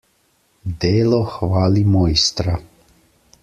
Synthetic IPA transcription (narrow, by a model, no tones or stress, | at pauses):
d̪eːlɔxʋaːlimɔjst̪ɾa